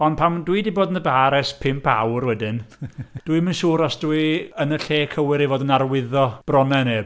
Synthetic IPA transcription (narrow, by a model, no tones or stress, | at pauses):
ɔndpʰamdwidiboːdənðəbaːɾɛspʰɪmpʰa̰wrwɛdɪnd̥uɨmənʃuːɾɔsd̥uiənəɬeːkʰəwɪɾivoːdənarwɪðɔb̥rɔnɛneːb